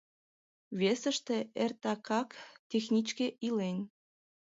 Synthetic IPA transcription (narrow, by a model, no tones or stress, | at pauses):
βʲesə̆ʃt̪ĕert̪ɑkɑkt̪ʲexnʲit͡ɕkeilenʲ